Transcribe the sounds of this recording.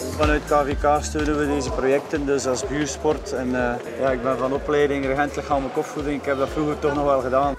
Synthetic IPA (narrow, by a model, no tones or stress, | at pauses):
vɑnœɥt̚kaːvekaːstøːnənʋədeːzəprojɛk̚təndɵsɑlˠsbyːrspɔrtɛn | jaːɪɡ̚bɛnvɑnɔplɛːdɪŋrəɣɛntələkxaːməkɔffudɪŋɪkhɛp̚dɑtfruːɣərtɔxnɔxʋɛlˠɣədaːn